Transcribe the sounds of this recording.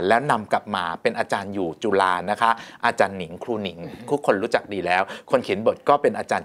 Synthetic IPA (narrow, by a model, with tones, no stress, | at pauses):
lɛː˦˥wna˧mka˨˩p̚maː˧pe˧nʔaː˧t͡ɕaː˧njuː˨˩t͡ɕu˧laː˧na˦˥kʰa˦˥ʔaː˧t͡ɕaː˧nːi˨˩˦ŋkʰɾuː˧ni˨˩˦ŋt̪ʰu˦˥kʰːo˧nɾuː˦˥t͡ɕa˨˩k̚diː˧lɛː˦˥wkʰo˧nkʰi˨˩˦nbo˨˩t̪̚kɔː˥˩pe˧nʔaː˧t͡ɕaː˧n